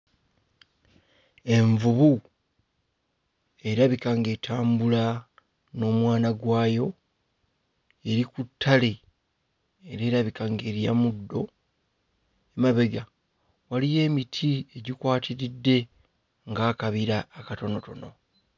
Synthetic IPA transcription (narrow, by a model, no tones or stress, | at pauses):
e̞ɱvuβu | e̞ɾaβikaŋɡetʰaːmbula | no̞ːmwaːnaɡwaːjo̞ | e̞ɾikutʰːale̞ | eɾe̞ːɾaβikaːŋɡe̞ɾijamudːo̞ | emaβe̞ɡa | walije̞ːmitʰie̞ɟikwaːtʰiɾidːe̞ | ŋɡaːkaβiɾaːkato̞no̞to̞no̞